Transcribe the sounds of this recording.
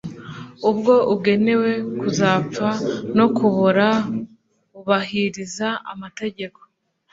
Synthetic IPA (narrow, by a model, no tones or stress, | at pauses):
ub̚ɡo̞ʔubɡe̞ne̞we̞kuzaːp͡fano̞kuβuɾa | uβahiɾizaa̰mate̞ɟe̞ko̞̥